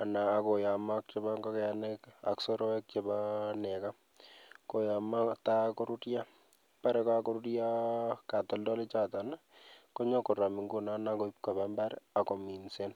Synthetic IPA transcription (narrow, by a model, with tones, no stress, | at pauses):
a˨naː˨ko˨ja˨mak̚t͡ʃe˦baŋɡɔ˦kɛanɛka̰ksɔ˦ɾɔ˦ɛ˦k̚t͡ʃebanɛ˨ka˦ | ko˨jamat̪ako˦ɾutja˦ | pa˦ɾɛkakɔ˦ɾutjaka˨t̪ɔ˦ldɔ˦lɪ˦t͡ʃat̪a˨na˦kɔ˦ɲɔ˦kʊ˨ɾa˨mɪ˨ŋɡu˦na˦na˦ko˨ip̚ka˨bamba˦ɾa˨kɔ˨mi˨nse˦n